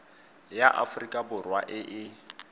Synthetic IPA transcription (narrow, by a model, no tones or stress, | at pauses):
jaʔa̰fʊrikʼabʊrwaʔɪʔɪ